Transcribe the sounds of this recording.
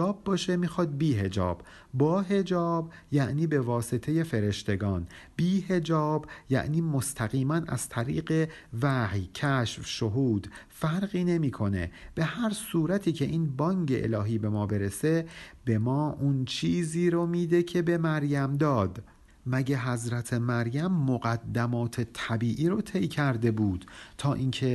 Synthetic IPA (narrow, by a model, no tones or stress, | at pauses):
ɒːbːɒːʃemiːxɒːd̪̚biːɦe̞d͡ʒɒ̰ːb̥ː | ɒːɦe̞d͡ʒɒːb | jæʔniːbe̞vɒːset̪ʰe̞je̞fe̞ɾe̞ʃt̪ʰe̞ɡɒːnbiːhe̞d͡ʒɒːbjæ̰ʔniːmost̪ʰæɣiːmænæ̰z̥t̪ʰæɾiːɢe̞væhjcʰæʃfʃoɦuːd̪̥ | fæɾɢiːne̞miːkʰo̞ne̞̰b̥e̞hæɾsuːɾæt̪ʰiːcʰe̞ʔiːnbɒːŋɟe̞̰ʔḛlɒːɦiːbe̞mɒːbe̞ɾe̞se̞be̞mɒːʔunt͡ʃʰiːziːɾomiːd̪ecʰe̞be̞mæɾjæmd̪ɒːd̪ | mæɟeɦæzɾæt̪ʰe̞mæɾjæmːoɣæd̪ːæmɒːt̪ʰe̞t̪ʰæbiːʔiːɾot̪ʰe̞jcʰæɾd̪e̞buːd̪̥t̪ʰɒːʔiːncʰe̞